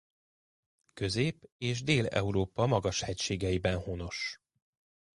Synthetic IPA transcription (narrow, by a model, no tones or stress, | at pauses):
kø̞zeːpeːʒd̪eːlɛ̰uɾoːpɒmɒɡɒʃhɛcʃeːɡɛibɛnhono̞ʃ